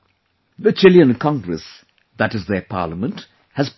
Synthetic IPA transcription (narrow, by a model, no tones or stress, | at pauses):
ðət͡ʃɪljə̃nkʰɔ̃ŋɡɾəs | ðæʈɨzðəpʰɑ̰ːləmə̃nt | hæzp